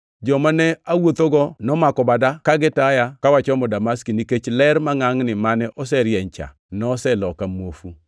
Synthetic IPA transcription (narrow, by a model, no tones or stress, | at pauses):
d͡ʒɔmanɛawot̪oɡɔnɔmakɔbadakaɡɪtajakawat͡ʃɔmɔdamaskiniket͡ʃlɛɾmaŋaŋnɪmanɛʔɔsɛɾjɛɲt͡ʃa̰ | nɔsɛlɔkamwofu